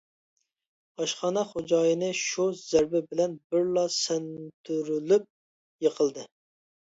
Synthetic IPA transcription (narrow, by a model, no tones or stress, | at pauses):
ɑʃχɑːnɑχod͡ʒɑːjinɨʃuz̥æɾbɪbɪlɛnbɪɾlˠɑsɛnt̪ʰyɾylyp̚ | jəqʰəlˠd̪ɨ